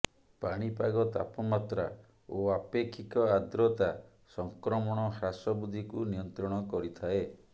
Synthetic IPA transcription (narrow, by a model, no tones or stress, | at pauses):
paɽ̃ipaɡɔt̪a̰pɔmat̪ɾa̰ | oapekʰːikɔad̪ɾɔt̪a | sɔŋkɾɔmɔɽ̃ɔɦasɔbud̪ʱikunijɔnt̪ɾɔɽ̃ɔkɔɾit̪ʰae